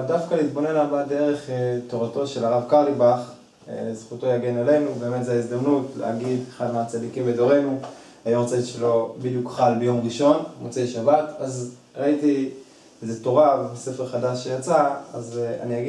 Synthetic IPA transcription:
dafkalit̪bo̞ne̞nabade̞ʁe̞χeto̞ʁato̞ʃe̞laʁavkaʁlibaχ | zχuto̞jaɡenele̞nube̞ːmet̪zejaizd̪amnutlḛhaɡid̪χanat͡sadikimbedo̞ʁe̞nu | ajamt͡saiʃelo̞bid̪jukχalbejo̞mʁiʃo̞nmot͡selʃabataz | ʁaiti | ezeto̞ʁavse̞feʁχadaʃːejat͡saa̰za̰niaɡi

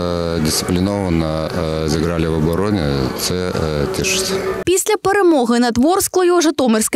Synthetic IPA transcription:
dʲɪst̪sɨ̥pʲlʲɪnovɐnəzʲɨɡɾalʲɪvɐbɐɾonʲɛ̰t̪sɛt̪ʲiʂɨ̥sʲɐ̥pʲisʲlʲɐpɛɾɨmɔɣɐnɐt̪vɔrsklˠɐjuʐɨt̪ɔmʲɨrskɐ

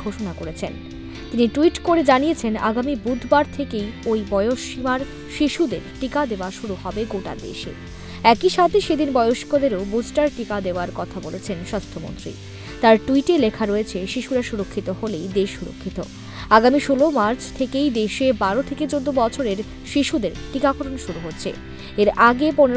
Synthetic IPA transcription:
ɡʱoʃonakoɾet͡ɕʰen | t̪iniʈuiʈkoɾed͡ʑanijet͡ɕʰena̰ɡamibud̪ʱbaɾt̪ʰekejojbɔeoʃimaɾ | ʃiʃud̪ḛɾʈikad̪eoaʃuɾuhɔbeɡoʈa̰d̪ḛʃḛ | ɛkiʃat̪ʰeʃed̪inbɔeoʃkod̪eɾobusʈaɾʈikad̪eoaɾkɔt̪ʰabolet͡ɕʰenʃast̪ʰomo̰nt̪ɾḭ | t̪aɾʈuiʈelekʰaɾoet͡ɕʰeʃiʃuɾaʃuɾokʰːit̪oɦolejd̪eʃːuɾo̰kʰːit̪o | aɡamiʃolomaɾt͡ɕʰt̪ʰekejd̪eʃebaɾot̪ʰeked͡ʑod̪ːobɔt͡ɕʰoɾeɾ | ʃiʃud̪eɾʈikakʰoʈʰonʃuɾuɦotːɕʰḛ | eɾaɡepone

